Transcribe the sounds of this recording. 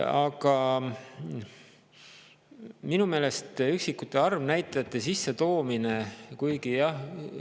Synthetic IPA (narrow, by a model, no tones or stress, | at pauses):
ɑɡɑ | minume̞ːle̞st̪yksikːˑut̪ːˑeɑrvnæjt̪ˑːɑjɑt̪ːˑesisːe̞t̪o̞ːmine̞kujɡijɑh